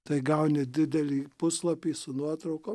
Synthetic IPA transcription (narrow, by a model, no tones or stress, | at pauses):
t̪ɐɪɡɐʊnʲɪd̪ʲɪd̪ʲɛlʲiːpʊslˠɐpʲiːsʊnuɔt̪ɾɐʊko